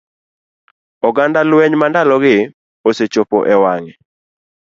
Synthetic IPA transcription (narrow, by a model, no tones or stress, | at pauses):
ɔɡandalwɛɲmandalɔɡɪ | oset͡ʃopo̰ʔɛwaŋɛ